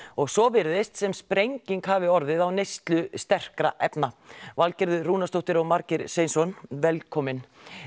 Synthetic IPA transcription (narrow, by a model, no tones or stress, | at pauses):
ɔɣsɔvɪɾðɪst̪sɛmspɾejɲciŋkhavɪɔɾðɪðawnejst̪lʏst̪ɛr̥kɾa̰ʔɛpnavalcɪɾðʏruːnast̪owht̪ɪɾɔɣmaɾcɪɾsejnsɔnvɛlkʰɔmɪn